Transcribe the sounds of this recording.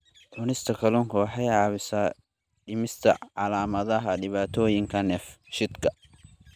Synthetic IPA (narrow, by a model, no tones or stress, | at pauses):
ʔʰʊːnɪst̪ʰɐkʰɐlʊŋkʰɐwɑħɑjʕɑːβɪsaː | ɖɪmɪst̪ʰɐ̰ʕɑlaːmɐðɐɦɐɖɪβaːt̪ʰɔːjɪŋkʰɐnɛːfʃɪd̪kʰɐ